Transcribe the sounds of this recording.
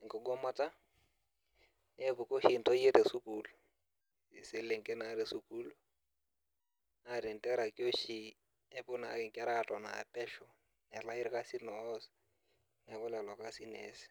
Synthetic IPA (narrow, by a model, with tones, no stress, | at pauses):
ŋ̩˨kɔ˨ɡɔ˦ma˦ta˦ | e˦bʊ˨ko˦hi˨n̩˨to˦je˦te˨su˦ku˨l | ɪ˨se˦le˨ŋ̩˨ke˦na˨˦ɾɪ˦su˦ku˦lo˦ | a˦ɾɪ˨n̩˨tɛ˦ɾa˨ki˦o˦ʃi˦ | ɛ˦bʊ˦na˨ɪ˨ŋ˨kɛ˦ɾa˦˨tɔ˨na̰˨pɛ˦ʃɔ˨ | nɛ˨la˦i˦ɾka˦si˦nɔ˨˦s | nɛ˨bʊ˦lɛ˨lɔ˨ka˦si˦ne˨˦sɪ̥˨